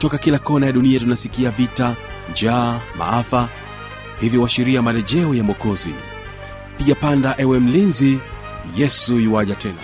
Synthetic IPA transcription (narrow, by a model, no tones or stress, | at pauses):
tɔkakilakɔnajaɗuniatunasikiavita | nd͡ʒaːma̰afa | hiviwaʃiɾiamalɛʄɛujamɔkɔzḭ | piʄapandaʔɛwɛm̩linzi | jɛsujiwaʄatʰɛna̰